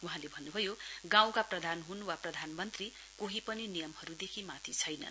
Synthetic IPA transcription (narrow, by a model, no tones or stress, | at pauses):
uɦãlebʱʌnːubʱʌjoɡãw̃kaprʌd̪ʱanɦunwaprʌd̪ʱanmʌnt̪ri | koɦipʌninijʌmhʌɾud̪ekʰimat̪ʰit͡sʰʌjnʌ̰